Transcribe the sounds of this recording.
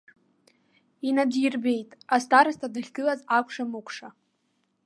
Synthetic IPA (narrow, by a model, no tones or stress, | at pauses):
inadirbe̞jtʼastʰaɾastʰadɨχʲɡɨlazakʷʰʂamukʷʰʂa